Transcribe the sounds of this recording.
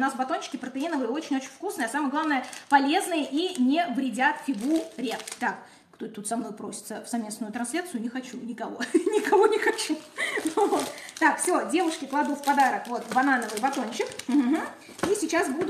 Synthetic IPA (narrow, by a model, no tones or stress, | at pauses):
nasbɐt̪o̞nɕɪ̥kʲɪpɾət̪ɨinəvɨɪot͡ɕɪnʲot͡ɕɪnʲfkusnɨjəɐsaməjəɡlˠavnəjəpɐlʲe̞znɨjəʔinʲɪvɾʲɪdʲat̪fʲɪɡuɾʲet̪ak | kt̪ot̪ːut̪sɐmno̞jpɾo̞sʲɪ̥t̪səfsɐvmʲe̞snʊjʊt̪ɾɐnsʲlʲat̪sɨjʊnʲɪxɐt͡ɕunʲɪkɐvo̞nʲɪkɐvo̞nʲɪxɐt͡ɕu | vot̪t̪akfsʲo̞dʲe̞vʊʂkʲɪklˠɐd̪ufpɐd̪aɾəkvo̞t̪bɐnanəvɨjbɐt̪onɕɪk | isʲɪt͡ɕasbud̪ʊ